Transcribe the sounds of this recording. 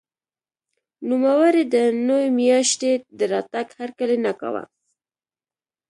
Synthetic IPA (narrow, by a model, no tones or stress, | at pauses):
numawaɾed̪ənowemjɑʃt̪ed̪əɾɑt̪aɡhaɾkəlenaka̰wa̰